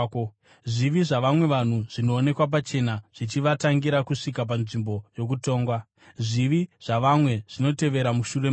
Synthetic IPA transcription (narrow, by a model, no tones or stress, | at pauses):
ʐiʋiʐaʋamwe̞ʋan̤uʐ̥ino̞ːne̞kwap̬at͡ʃe̞naʐ̥it͡ʃiʋataŋɡiɾakuʂikap̬anʐimbo̞jo̞k̬uto̞ːŋɡwa | ʐiʋiʐ̥aʋamwe̞ʐ̥ino̞te̞ʋe̞ɾamuʃure